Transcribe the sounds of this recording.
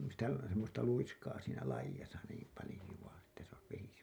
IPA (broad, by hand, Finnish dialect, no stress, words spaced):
sitæ semːostɑ luiskɑː siːnæ lɑijɑsɑ niːm pɑlĭjuɑ etːæ s ois ʋesi